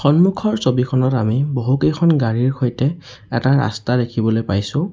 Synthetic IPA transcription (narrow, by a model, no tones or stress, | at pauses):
xɔnmukʰɔɹsobikʰɔnɔtamiboɦukejkʰɔnɡaɹiɹxʰojtɛ | ɛtaɹa̰stadekʰibɔlojpajsʊ̃